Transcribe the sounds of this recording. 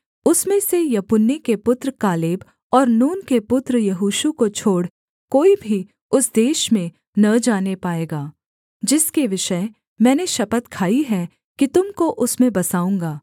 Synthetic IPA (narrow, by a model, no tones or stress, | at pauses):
ʊsmẽsejɐpʊnːikepʊt̪ɾəkaːleːb | ɔːɾnuːnkepʊt̪ɾjɐɦuːʃukot͡ʃʰoːɽ | koːibʱi | ʊsd̪eːʃmẽ | nɐd͡ʒaːnepaːeːɡaː | d͡ʒɪskeʋɪʃə | mɛ̃ːneʃɐpət̪kʰaːiɦɛ | kit̪ʊmkoʔʊsmẽbɐsaːũːŋɡaː